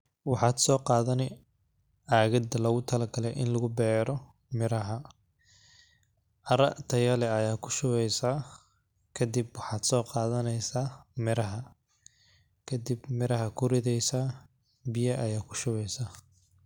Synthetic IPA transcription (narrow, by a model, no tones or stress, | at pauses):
wɑħɑːd̪sɔːqɑːðɐnɪ | aːɣɐd̪ɐlɐɣʊt̪ʰɐlɐɡʰɐlɛʔɪ̰nlɐɣʊbɛːɾɔ | mɪɾɐɦɐ | ʔɐɾɐt̪ʰɐjɐlɛɐjaːkʰʊ̥ʃʊβɛjsaː | kʰɐd̪ibwɑħɑːd̪sɔːqɑːðɐnɛjsaːmɪɾɐɦɐ | kʰɐd̪ɪbmɪɾɐɦɐkʰʊrɪðɛjsaː | bɪjɐʔɐjaːkʰʊ̥ʃʊβɛjsaː